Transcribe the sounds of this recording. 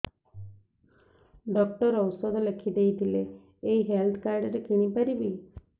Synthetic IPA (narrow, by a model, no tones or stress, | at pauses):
ɖɔk̚ʈəɾəwsɔd̪ləkʰid̪eid̪ʱileː | iɦelt̪ʰkaɾɖəɾekiɽ̃ipəɾibi